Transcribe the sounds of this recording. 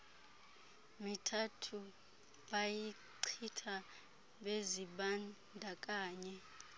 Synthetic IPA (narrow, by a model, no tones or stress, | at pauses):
mitʰatʰu | ɓaji | ǀʰitʰa | ɓeziɓan | dʱakʼaːɲɛ